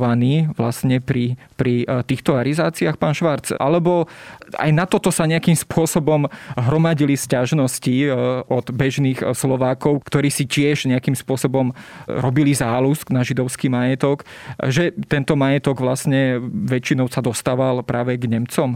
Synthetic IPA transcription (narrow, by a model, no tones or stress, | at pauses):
ʋaniːʋlasɲɛpɾi | pɾit̪iːxt̪ɔaɾizaːt͡siaxpaːnʃʋaɾd͡za̰lɛbɔʔa̰jnat̪ɔt̪ɔsaɲɛakimspʊɔsɔbɔmɦɾɔmaɟiliscaʒnɔsciʔɔd̪bɛʒniːxslɔʋaːkɔʊkt̪ɔɾiːsicɪɛʒɲɛakimspʊɔsɔbɔmɾɔbilizaːlusknaʒid̪ɔʊskimajɛt̪ɔk | ʒɛt̪ɛnt̪ɔmajɛt̪ɔɡʋlasɲɛʋɛt͡ʃinɔʊsad̪ɔst̪aːʋalpɾaːʋɛɡɲɛmt͡sɔm